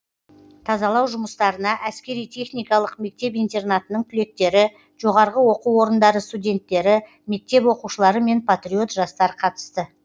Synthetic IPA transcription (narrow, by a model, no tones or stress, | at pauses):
t̪ʰɑzɑlˠɑwʒʊməst̪ɑɾənɑʔæskʲe̞ɾijt̪ʲʰe̞χnijkɑlˠəqme̞k̚t̪e̞pijnt̪e̞rnat̪ənəɴt̪ʰʏle̞k̚t̪e̞ɾɪ | ʒ̥o̞ʁɑɾʁəwo̞quwo̞ɾənd̪ɑɾəst̪udʲe̞nt̪ːe̞ɾɪ | me̞k̚t̪e̞pwo̞quʃəlˠɑɾəme̞npʰat̪rʲio̞t̪ʒɑst̪ɑɾəqʰɑt̪ə̥st̪ə